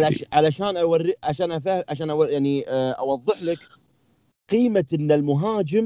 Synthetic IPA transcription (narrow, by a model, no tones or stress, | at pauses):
laʕalaʃaːnʔawarːiʕaʃaːnʔafaʕaʃaːnʔawjaʕniʔa̰wɑðˤːɨħlək | qiːmaənːalmʊɦaːd͡ʒɪm